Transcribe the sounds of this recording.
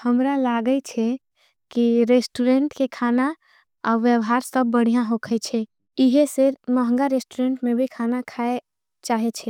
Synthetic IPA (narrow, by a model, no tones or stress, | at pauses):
həmɾalaɡət͡ʃʰɛ | kiɾesʈuɾeɳʈkekʰana | a̰ʋjəbɦaɾsəbːəɽ̤ijãɦokʰət͡ʃʰɛ | iɦeseɾməɦə̃ŋɡaɾesʈuɾeɳʈmebʱikʰanakʰae | t͡ʃaɦɛt͡ʃʰɛ